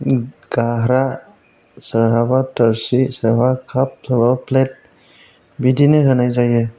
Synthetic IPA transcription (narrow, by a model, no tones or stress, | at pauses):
ɡ̥aɦɾa | səɾɦabatəɾsisəɾbakʰap̚sabaplet̚ | bidinɯɦɯnajzajɯ